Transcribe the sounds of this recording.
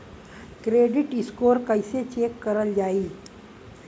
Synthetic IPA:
kɾeːɖɪʈɪskoːɾkəɪset͡ʃeːkːɐɾəld͡ʒaːiː

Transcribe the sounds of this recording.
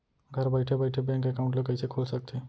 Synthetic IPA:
ɡʱəɾbəjʈʰebəjʈʰebɛ̃ŋkekaũɳʈ̬lakəjsekʰolsək̚t̪ʰe

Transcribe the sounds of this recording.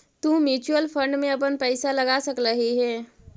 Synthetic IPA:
t̪ũmjuːt͡ʃuəlfʰə̃ɳɖmẽɐp̬ənpɛːsalɐɡaːsɐkɾəɦiɦɛː

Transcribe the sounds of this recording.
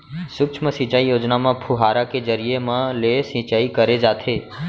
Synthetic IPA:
sʊkt͡ʃʰməsĩt͡ʃaijoːd͡ʒnamãpʰuɦaɾaked͡ʒəɾijemãlesĩt͡ʃaikəɾed͡ʒaːt̪ʰe

